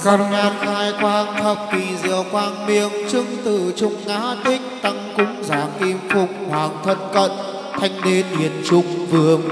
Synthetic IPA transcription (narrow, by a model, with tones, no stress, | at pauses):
xa˧˩t̚ɲaː˨˩t̚xaː˧jkwaː˧ŋt̪ʰə˨˩p̚vi˨˩zɨ̰˨əkwaː˧˩ŋɓi˧˩əŋt͡ɕɨ˧ŋt̪ɨ̰˧˨t͡ɕʊ˧ŋ͡mːaː˨˦t̪ï˦˥ŋ̟t̪a˧ŋkʊ˧˦˥ŋ͡mzaː˨˩ki˧mfʊ˨˧˩k͡p̚hwaː˨˩ŋt̪ʰə˧nkə̰˧˨n | t̪ʰa˧jŋ̟ɗe˧nɗi˨˩ənt͡ɕʊ˧ŋ͡mvɨ˨˧˩əŋ